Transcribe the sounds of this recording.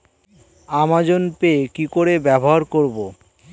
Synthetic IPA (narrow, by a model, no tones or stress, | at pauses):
amad͡ʑonpekikoɾebɛboɦaɾkoɾbo